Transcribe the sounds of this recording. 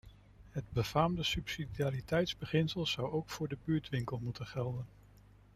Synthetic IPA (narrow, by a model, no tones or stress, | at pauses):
ɦədbəvaːmdəsypsidiaːɾitɛjtzbəχɪnsəlˠz̥ʌwowkfʊːɹdəbyːɹtʋɪŋkəlˠmutənχɛlˠdən